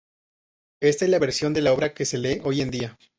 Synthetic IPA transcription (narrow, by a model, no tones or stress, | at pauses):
e̞st̪aezlaβe̞ɾsjo̞nd̪e̞lao̞βɾake̞se̞le̞ʔo̞je̞nd̪ia